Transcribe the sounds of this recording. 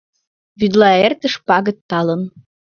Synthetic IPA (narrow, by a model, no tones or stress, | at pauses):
βyd̪lˠɑert̪ə̆ʃpɑɣə̆t̪ːɑlɤ̆n